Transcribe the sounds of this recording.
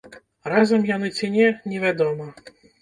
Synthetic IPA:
ɾazɐmjanɨt͡sʲinʲɛnʲɛvʲad̪ɔmɐ

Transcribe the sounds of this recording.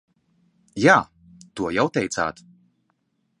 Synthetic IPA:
jaː | t̪uɔjawt̪ɛjt̪sa̰ːt̪

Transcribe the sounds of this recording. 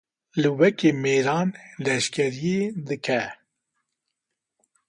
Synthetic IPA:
lɨwɛkeːmeːɾɑːnlɛʃkʰɛɾijed̪ɨkʰɛ

